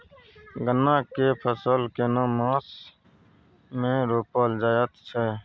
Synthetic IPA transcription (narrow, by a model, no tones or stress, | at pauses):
ɡənːãːkeːpʰəsəːlkeːnãːmãːs | mẽːɾoːpəːld͡ʒaːjət̪t͡ʃʰɛː